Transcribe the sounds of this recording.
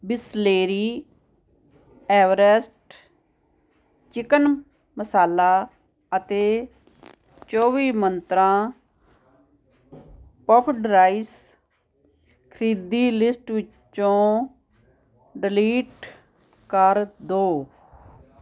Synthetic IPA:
bɪsleːɾiː | ɛːʋəɾɛsʈ | t͡ʃɪkən | məsaːlaː | ət̪eː | t͡ʃoːʋiːmənt̪ɾãː | pɔːpʰlɾaːis | kʰəɾiːd̪iːlɪsʈʋɪt͡ʃ | õː | ɖɪliːʈ | kəɾd̪oː

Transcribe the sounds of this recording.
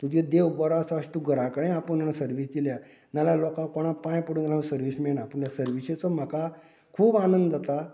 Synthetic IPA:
t̪ud͡ʑẽd̪ewbɔɾasaəɕt̪uɡʱəɾãkəɽẽapəɳnanasəɾʋiːsd̪ilja | nalalɔkãkɔɽ̃ãpãjpəɽuɡalãsəɾʋiːsmiɭɳaːpəɳt̪jasəɾʋiɕet͡sɔm̤əka | kʰuːbanənd̪d͡zat̪a

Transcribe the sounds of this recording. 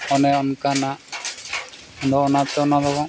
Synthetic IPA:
ɔnɛɔnkana | ɔd̪ɔɔnat̪ɛɔnad̪ɔkɔ

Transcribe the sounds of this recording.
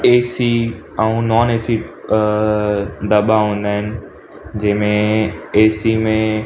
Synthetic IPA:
eːsi | ɛ̃ũnɔːneːsi | d̪ɐɓaɦũːnd̪aːɦɪnɪ̆ | d͡ʑɐ̃ɦɪ̃mẽeːsimẽ

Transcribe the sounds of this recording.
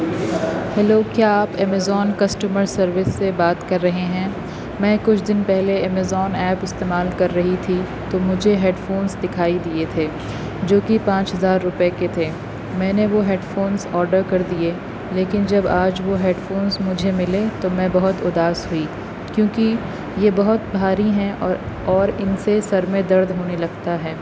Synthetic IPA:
hɛloːkjaːaːpɛmɛzɔːnkɐsʈəməɾsɐɾʋɪsːebaːt̪kɐɾːɐɦeɦɛ̃ː | mɛ̃ːkʊt͡ʃʰd̪ɪnpɛɦleɛːmɛzɔːnɛːpɪst̪eːmaːlkɐɾːɐɦit̪ʰi | t̪omʊd͡ʒʱeɦeːɖfoːnzd̪ɪkʰaːid̪iet̪ʰeː | d͡ʒoːkipãːt͡ʃɦɐzaːɾːʊpeket̪ʰeː | mɛ̃ːneʋoɦeːɖfoːnzɔːɾɖəɾkɐɾd̪ie | leːkɪnd͡ʒɐbaːd͡ʒʋoɦeːɖfoːnzmʊd͡ʒʱemɪlet̪omɛ̃bɐɦʊt̪ʊd̪aːsɦui | kjõːki | jebɐɦʊt̪bʱaːɾiɦɛ̃ʔɔːɾ | ɔːɾɪnsesɐɾmẽd̪ɐɾd̪ɦoːnelɐɡt̪aɦɛː

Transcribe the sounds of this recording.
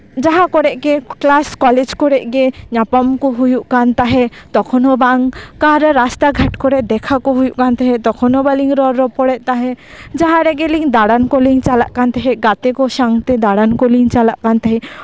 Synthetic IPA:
d͡ʒaɦakɔɾɛʔkɛklaskɔlɛd͡ʒkɔɾɛʔɡɛɲapamkɔɦujuʔkant̪aɦɛt̪ɔkʰɔnɔbaŋkaɾɾast̪aɡʱaʈkɔɾɛʔd̪ɛkʰakɔɦujuʔkant̪aɦɛt̪ɔkʰɔnɔbaliŋɾɔɾːɔpɔɽɛʔt̪aɦɛ | d͡ʒaɦãɾɛɡeliŋd̪aɽankɔliŋt͡ʃalaʔkant̪ɛɦɛɡat̪ɛkɔʃaŋt̪id̪aɽankɔliŋt͡ʃalaʔkant̪aɦɛ

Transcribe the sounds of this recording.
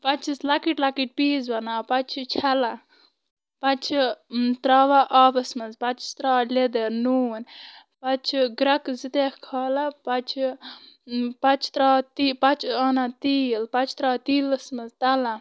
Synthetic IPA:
pɐt͡ʃislɐkiʈlɐkiʈ̚piːzbɐnaːpɐt͡ʃʰt͡ʃʰɐla | pɐt͡ʃʰt̪ɾaːʋaʔaːbɐsmɐzpɐt͡ʃist̪ɾaːled̪eɾnuːn | pɐt͡ʃʰɡɾɐkzit̪ekkʰaːlapɐt͡ʃʰ | pɐt͡ʃʰt̪ɾaːt̪ipɐt͡ʃʰaːnat̪iːlpɐt͡ʃʰt̪ɾaːt̪iːlɐsmɐzt̪ɐla

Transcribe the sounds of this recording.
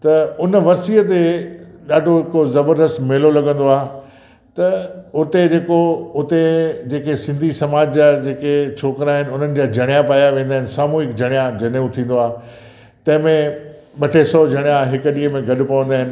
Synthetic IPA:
t̪ɐʊnəʋɐɾsiət̪eɗaːɖʱoɦɪkozɐbəɾd̪əst̪mɪɦlolɐɡə̃nd̪oaːɦ | t̪ɐʊt̪ed͡ʑeːkoʊt̪ed͡ʑeːkesɪ̃nd̪ʱisɐmaːd͡ʑd͡ʑaːd͡ʑeːket͡ɕʰoːkɪɾaːɦɪnɪ̆ʊn̤ənɪ̆d͡ʑaːd͡ʑʱɐɽ̃ijãpaːjaʋẽːnd̪aːɦɪnɪ̆saːmuɦɪkd͡ʑʱɐɽ̃ijãd͡ʑɐñũt̪ʰĩːnd̪oaː | t̪ɐ̃ɦɪ̃mẽ | ɓɐʈʰesɔːd͡ʑʱɐɽ̃ijãɦɪkɗiːɦəmẽɡʱɐɗʊ̆pɐʋə̃nd̪aːɦɪ̃nɪ̆

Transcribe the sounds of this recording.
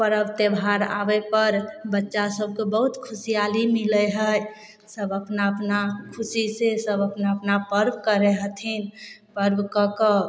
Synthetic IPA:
pəɾəbt̪ebʱaɾa̰bepəɾbətːʃasəb̚ʱkebəɦut̪kʰusijalimiləɦəj | səbəpnaəpnakʰusisesəbəpnapnapəɾbkəɾeɦət̪ʰinpəɾbkəkə

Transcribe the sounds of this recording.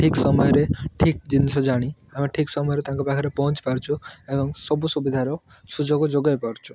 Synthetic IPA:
ʈʰiksɔmɔjɔɾeʈʰik̚d͡ʒinsɔd͡ʒaɽ̃iamiʈʰiksɔmɔjɾet̪ãŋkɔbakʰaɾepɔɦɔnt͡ʃi̥paɾt͡ʃʰuebɔŋsɔbusubid̪ʱaɾɔ | sud͡ʒoɡd͡ʒoɡajpɔɾt͡ʃʰu̥

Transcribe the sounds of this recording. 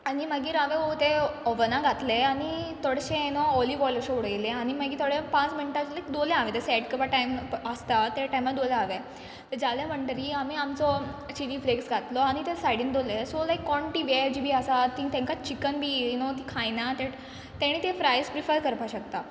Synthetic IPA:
animəɡĩːɾaʋẽot̪eɔʋənaɡʱat̪leaɽ̃it̪ɔɽɕẽnɔɔliʋɔjləɕeuɽəjleaɽ̃iməɡiːt̪ʰoɽepãt͡smiɳʈat͡ɕlaikd̪olẽaʋet̪esɛʈkəbaʈajməst̪at̪eʈajmad̪oleaʋe | t̪əɾd͡ʑaljam̤əɳʈəɾiamiamt͡sɔt͡ɕiliːfleksɡʱat̪lɔaɽ̃it̪esajɽĩnd̪olesolajkːɔɳʈiːʋed͡ʑibʱiːasat̪ĩŋt̪ẽŋkat͡ɕikənbʱiːnot̪ikʰãjnat̪e | t̪ɛɽ̃iːt̪ẽfɾajspɾifəɾkəɾpaɕək̚t̪a

